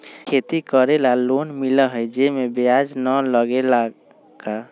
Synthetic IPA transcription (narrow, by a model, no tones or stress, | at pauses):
kʰet̪ikəɾelalonmiləɦəjd͡ʒemebead͡ʒnələɡela | ka